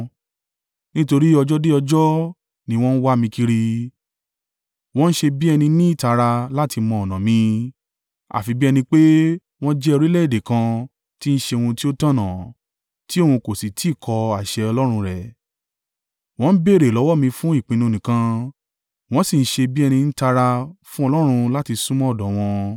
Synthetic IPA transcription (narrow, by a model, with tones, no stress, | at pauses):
nĩ˦to˧ɾi˦ɔ˧d͡ʒɔ˦de˦ɔ˧d͡ʒɔ˦ | nĩ˧w̃ɔ̃˦n̩˦wa˦mĩ˧ki˧ɾi˧ | w̃ɔ̃˦n̩˦ʃe˧bi˦ɛ˧nĩ˧nĩ˦i˦˨ta˧ɾa˧la˦tʰi˧mɔ̃˧˨ɔ˨nã˨mĩ˧ | a̰˨fi˧bi˦ɛ˧nĩ˧k͡pe˦ | w̃ɔ̃˦d͡ʒɛ˦o˧ɾi˦lɛ˦˨i˨de˨kã˧ | ti˦n̩˦ʃe˧wũ˧ti˦o˦tã˦˨nã˨ | ti˦o˦˨hũ˧ko˨si˨ti˨˦˨kʰɔ˧a˨ʃɛ˧ɔ˧lɔ˦ɾ̃ũ˧ɾɛ˨ | w̃ɔ̃˧n̩˦be˦˨ɾe˨lɔ˨˦wɔ˦˨mĩ˧fũ˦i˦˨k͡pĩ˧nũ˧nĩ˨kã˧ | w̃ɔ̃˦si˦˨n̩˦ʃe˧bi˦ɛ˧nĩ˧n̩˦ta˧ɾa˧fũ˦ɔ˧lɔ˦ɾ̃ũ˧la˦ti˧sũ˦mɔ̃˦˨dɔ˨w̃ɔ̃˧